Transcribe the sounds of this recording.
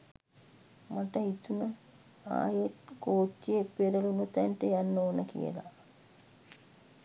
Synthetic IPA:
mɐʈɐit̪unɐ | a̰ːjeʈkoːt͡ʃːiepeɾɐlunut̪ɐɳʈejanːoːnɐkḭjɐ̰la̰

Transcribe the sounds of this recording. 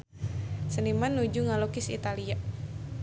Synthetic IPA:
sənimanːud͡ʒuŋalokɪsḭt̪alia

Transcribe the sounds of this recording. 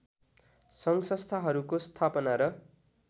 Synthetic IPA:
sʌŋsʌst̪ʰaɦʌɾukost̪ʰapʌnaɾʌ

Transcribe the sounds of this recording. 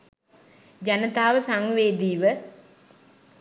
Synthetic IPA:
d͡ʒanət̪aːʋəsaŋʋeːd̪iːʋə

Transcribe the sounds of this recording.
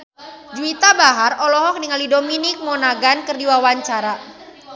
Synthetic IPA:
d͡ʒuit̪abaɦarʔɔlɔɦɔk̚dəŋalidominɪk̚mɔnaɡankərdiwawaɲt͡ʃaɾa

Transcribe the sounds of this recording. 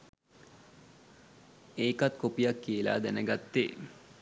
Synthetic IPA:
eːkat̪kopijakːiela̰ːd̪ænəɡat̪ːeː

